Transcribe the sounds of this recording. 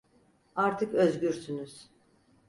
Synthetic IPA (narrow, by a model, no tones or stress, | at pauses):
aɾt̪ʰɯkøzɟyɾsynyz̥